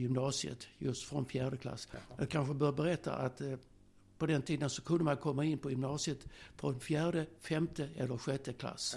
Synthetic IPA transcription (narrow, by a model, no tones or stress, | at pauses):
jʏmnɑːsɪə̰t̪jɵst̪fɾɔnfjæːɖəkʰla̰sːjɑːɡ̚kʰanɧəbœːbɛɾɛt̪ːa̰ʔat̪ | pɔd̪ɛnt̪ʰiːd̪ənsɔkʰɵnd̪əmankʰɔmːaɪnːpɔjɵmnɑːsɪət̪fɾɔnfjæːɖəfɛmt̪əɛlːəɾɧɛt̪ːəkʰla̰s